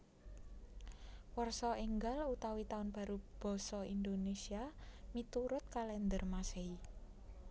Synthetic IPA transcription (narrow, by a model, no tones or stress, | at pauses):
wɔrsɔiŋɡalut̪awit̪aʊnb̥a̤ɾub̥ɔ̤sɔind̪onesiamit̪uɾʊt̪̚kalɛnd̪ərmasei